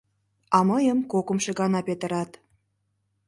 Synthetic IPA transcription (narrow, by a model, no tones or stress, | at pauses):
ɑməjəmkokə̆mʃĕɡɑnɑpet̪ə̆ɾɑt̪